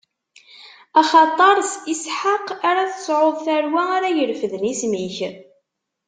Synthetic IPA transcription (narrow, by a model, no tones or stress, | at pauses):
ɑχɑt̪ˤːɑɾˤsisħaqaɾaθə̥sˤʕoðˤθæɾwæaɾajəɾfəðnismiç